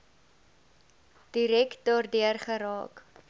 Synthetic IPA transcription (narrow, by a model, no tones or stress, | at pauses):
d̥iɾɛkdɑːrdiərχəɾɑ̰ːk